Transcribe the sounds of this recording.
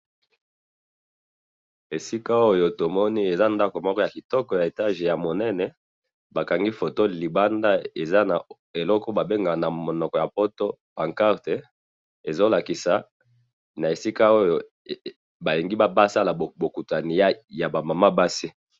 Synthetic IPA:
e˨si˦ka˦o˦jo˨to˨mɔ˦ni˦e˨za˦nda˦ko˨mɔ˦kɔ˦ja˨ki˨tɔ˦kɔ˨ja˨e˨ta˦ʒe˨ja˨mo˨nɛ˦nɛ˨ | ba˨ka˨ŋɡi˦fo˨to˦li˨ba˦nda˦e˨za˦na˨ | e˨lɔ˦kɔ˦ba˨be˦ŋɡa˨na˨mo˨nɔ˨kɔ˨ja˨po˦to˦pa˨ŋka˦ʁte˨ | e˨zo˦la˨ki˨sa˨ | na˨e˨si˦ka˦o˦jo˨ | ba˨li˨ŋɡi˦ba˦ba˦sa˦la˨bo˨ku˨ta˨ni˨˦ja˨ba˨ma˨ma˦ba˦si˦

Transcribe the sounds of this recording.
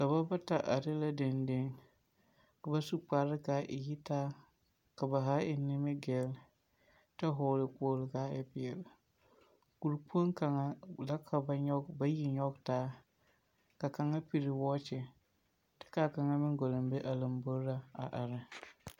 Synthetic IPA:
ka˨ba˦ba˦ta˨ʔa˨ɾɪ˦la˦dɪ˨nde˦ŋ | ka˨ba˦su˦k͡pa˨ɾɪ˦ka˨˦ʔɪ̰˨ji˦taː˦ | ka˨ba˨ɦa˦ɪ˨nɪ˦mɪ˦ɡɛ˨˦l | ta˦ɦʊː˨lɪ˨k͡poː˦lɪ˨kaː˦ɪ˨pɪ˨ɛ˨l | ku˨ɾk͡pu˦o˦ŋka˨ŋa˦la˦kʰa˨ba˨ɲɔ˦ɡba˦ji˦ɲɔ˦ɡtaː˦ | ka˨ka˨ŋa˦pi˨ɾɪ˨wɔ˦t͡ʃɪ˨ | tɪ̥˦ka˦˨ka˨ŋa˦mɪ˦ŋɡo˨lɨ˨mbe˦ʔa˨lɨ˨m˨bo˦ɾɾa˦a̰˨ʔa˨ɾɪ˦

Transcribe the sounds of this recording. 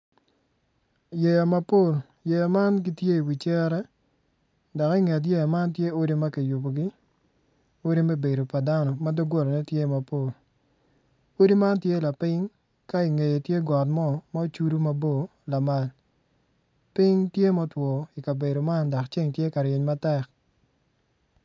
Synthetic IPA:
je˨ja˨ma˦po˦˨l | je˨ja˨ma˦nɡi˦tje˦i˨wi˨t͡ʃɛ˦ɾɛ˦ | dɔ˨ki˦ŋe˨t̬je˦ja˨ma˦ntje˦o˦ɾi˦ma˦ki˨ju˨bo˨ɡi˦ | o˦ɾi˦me˦be˨do˨pa˨da˦nɔ˨ma˦dɔ˦ɡwo˦ɾɔ˨nɛ˦tje˦ma˨po˦˨l | o˦di˦ma˦ntje˦la˨pɪ˦ŋ | ka˦i˨ŋe˨je˨tje˦ɡɔ˨tmɔ˦ma˦o˦t͡ʃu˦ɾu˦ma˨bo˦˨la˨ma˨l | pɪ˦ŋtje˦mɔ˦twɔ˨i˨ka˨be˨do˨ma˦ndɔ˨kt͡ʃe˦ŋtje˦ka˨ɾjɪ˨ɲma˦tɛ˦k̚

